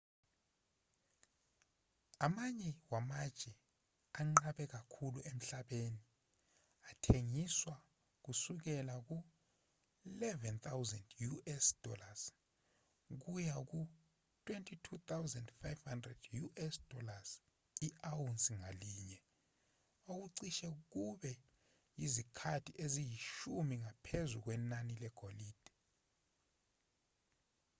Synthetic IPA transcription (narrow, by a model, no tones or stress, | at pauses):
amaɲɛwamad̥t͡ʃʼɛ | aŋ͡ǃaɓɛk̬akʰuluʔem̩ɬaɓeni | atʰeŋiswa | k̬usuk̬ɛlak̬u | ilɛvɛnt̪ʰawzɛndjuʔɛsd̥ʱɔlas | k̬ujak̬u | tʰʼwentʼʰitʰut̪ʰawzɛndfajvhandrɛdjuʔɛsd̥ʱɔlas | iʔawunsiŋaliːɲɛ | ok̬uǀiʃɛk̬uɓɛ | jizikʰatʰiʔezijiʃumiŋapʰezuk̬wɛnanilɛɡ̥ʱoliːd̥ʱ